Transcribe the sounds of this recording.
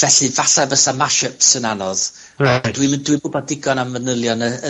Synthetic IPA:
vɛɬɨvaɬabəsamaʃəpsənanɔð | ad̥wiməndwɪɨbʊbɔdɪɡɔnamvənəlˠjɔnəə

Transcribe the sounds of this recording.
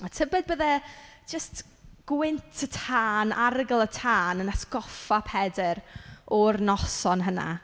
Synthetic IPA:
ɔtʰəbɛd̚bəðɛ̥d͡ʒəst | ɡ̥wɪntʰətʰaːnʔaɾəɡəlˠətʰaːnənasɡɔfapʰɛdɛɾɔrnɔsɔnɦəna̰

